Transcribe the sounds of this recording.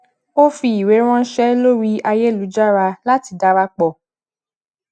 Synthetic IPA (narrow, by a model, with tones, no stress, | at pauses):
o˦fi˧i˨ɾe˨˦ɾ̃ɔ̃˦ʃɛ˦lo˦ɾi˦a˧je˦˨lu˨˦d͡ʒa˦ɾa˧la˦ti˧da˦ɾa˦k͡pɔ˧˨